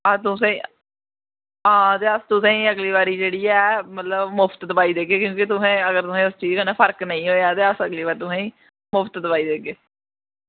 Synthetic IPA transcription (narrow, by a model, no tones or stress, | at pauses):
at̪ʊsɛ̃ː | ɦãːt̪eːəst̪ʊsɛ̃ːĩːəɡliːʋaːɾiːd͡ʒeːɽiːɛːmət̪ləbmʊpʰt̪d̪əbaːiːd̪eːɡeːkjõːk̬it̪̬ʊsɛ̃ːəɡəɾt̪ʊsɛ̃ːʊst͡ʃiːzkənapʰəɾknəĩːɦoːjaːt̪eːəsəɡliːʋaːɾt̪ʊsɛ̃ːĩː | mʊpʰt̪d̪əpaːiːd̪eːɡeː